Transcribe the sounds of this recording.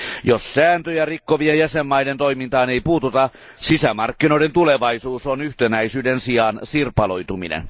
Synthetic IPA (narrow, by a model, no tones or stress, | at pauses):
jossæːnt̪øjærikːoʋiejjæsemːɑjdent̪o̞imint̪ɑːneijpuːt̪ut̪ɑ | sisæmɑrkːino̞ident̪uleʋɑisuːsonyht̪enæjsyːdensiɑnsirpɑlo̞jt̪umḭnḛn